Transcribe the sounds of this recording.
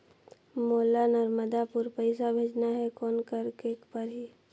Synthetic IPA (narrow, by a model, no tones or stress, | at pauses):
moːlanəɾməd̪apʊɾpəɪsabʱeːd͡ʒnaɦɛkɔːnkəɾkeːkpəɾɦi